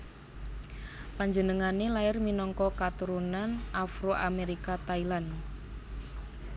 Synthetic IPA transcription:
paɲd͡ʒənəŋanelaɪrminɔŋkɔkat̪uɾunanʔafɾoʔameɾikat̪ailan

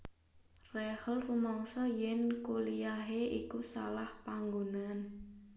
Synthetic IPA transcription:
rɛhəlrumɔŋsɔjɛnkulijaɦeʔikusa̰lahpaŋɡonan

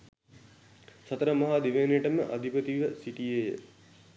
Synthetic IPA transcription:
sɐt̪əɾəmɐɦaːd̪iʋeːnjəʈəməʔa̰d̪ʱipət̪iʋəsiʈijejə

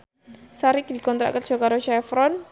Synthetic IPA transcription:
saɾɪk̚dikɔnt̪ɾa̰ʔkat̪d͡ʒ̥ɔkaɾoʃɛfɾɔn

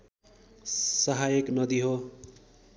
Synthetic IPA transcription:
sʌɦajeknʌd̪iɦo

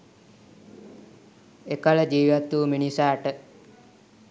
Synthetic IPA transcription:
ekələd͡ʒiːʋat̪uːminisaːʈə

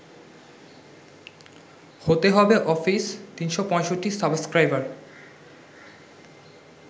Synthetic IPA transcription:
hot̪eɦɔbeʔɔfist̪inʃopɔ̃eʃoʈːisabskɾajbaɾ

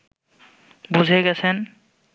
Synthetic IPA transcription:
bud͡ʑʱeɡɛt͡sʰen

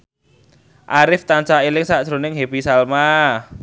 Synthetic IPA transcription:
ʔaɾɪft̪ant͡ʃailɪŋsad̥ʒ̥ɾo̤nɪŋɦebisalma

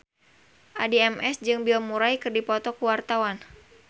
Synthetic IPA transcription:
ʔadiɛmɛsd͡ʒɨŋbiɔmuɾajkɨrdipɔt̪ɔkuwart̪awan

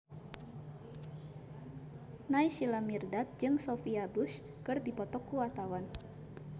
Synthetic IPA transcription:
najʃilamirdat̪̚d͡ʒɨŋsofiabus | kɨrdipɔt̪ɔkːuwat̪awan

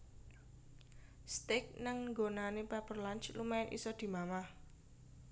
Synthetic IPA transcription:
st̪ɪk̚naŋŋɡonanepɛpərlant͡ʃlumaʔḭsɔd̪̥i̤mamah

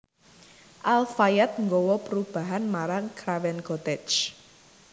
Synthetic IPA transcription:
ʔalfajɛt̪̚ŋɡɔwɔpəɾub̥a̤ɦanmaɾaŋkɾawɛnkɔt̪ɛt͡ʃ

